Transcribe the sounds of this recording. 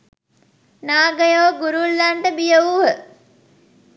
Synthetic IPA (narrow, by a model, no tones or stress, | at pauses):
naːɡəjoːɡuɾulːaɳʈəbijəuɦə